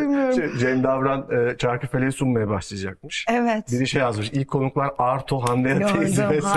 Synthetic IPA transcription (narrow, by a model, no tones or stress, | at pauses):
imijoɾd͡ʒɛmd̪avɾanɯːt͡ʃʰaɾkyfelʲeɾisummajabaʃlˠɯjad͡ʒak̚mɯʃɛvɛtbiɾiʃejazmɯʃilʲckʰːo̞nuklˠaɾaɾt̪ʰoɦand̪eɾaeid̪imes